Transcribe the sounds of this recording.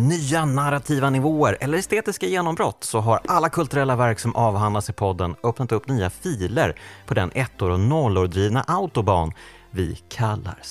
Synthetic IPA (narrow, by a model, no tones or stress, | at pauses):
nyːanaɾat̪ʰiːvanɪvoːəɾʔɛlːəɾɛst̪eːt̪ɪskajeːnɔmbɾɔt̪ːsɔɦaɾʔalːakʰɵlt̪ɵɾɛlːavæɾksɔmʔɑːvɦand̪lasɪpʰɔd̪ːənœpnat̪ɵpːnyːafiːlə̰ɾpʰɔd̪ɛnʔɛt̪ːoːɾɔnɔlːoːɾd̪ɾiːvnaʔaʊt̪ʊbɑ̰ːn | vɪ̰kʰalːa̰ɾ